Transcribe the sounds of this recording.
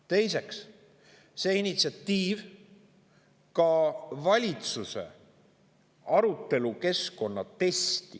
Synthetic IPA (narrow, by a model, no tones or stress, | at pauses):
t̪e̞jse̞ks | seinit̪siɑt̪ːiːv | kɑvɑlʲit̪suse̞̰ | ɑɾut̪ːˑe̞luke̞sko̞nːɑt̪e̞st̪i